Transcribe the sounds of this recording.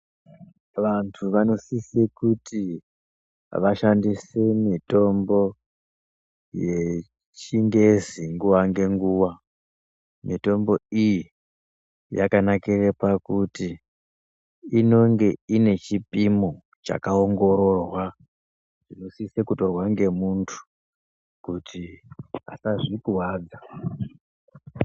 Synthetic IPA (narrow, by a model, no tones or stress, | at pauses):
ʋantʰuʋano̞sisekuti | ʋaʃandisemito̞mbo̞ | je̞ | t͡ʃiŋɡe̞ziŋɡuʋaŋɡe̞ŋɡuːʋa | mito̞mbo̞iji | ja̰kanakirepakuti | ino̞ŋɡe̞ine̞t͡ʃipimo | t͡ʃa̰kaoŋɡo̞ɾo̞rwa | ʐ̥ino̞sisekuto̞rwaŋɡe̞muntʰu̥ | kutiɦa̰saʐikuwaːd͡za